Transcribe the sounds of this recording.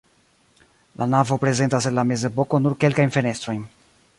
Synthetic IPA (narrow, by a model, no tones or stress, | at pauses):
lʔanavo̞pɾe̞ze̞ntasenlame̞ze̞po̞ko̞nuɾke̞lkajnfe̞ne̞st̪ɾo̞jn